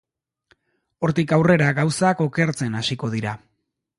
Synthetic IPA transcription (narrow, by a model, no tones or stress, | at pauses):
o̞ɾt̪ikawre̞ɾaɣawsako̞ke̞ɾt͡se̞nasiko̞ð̞iɾa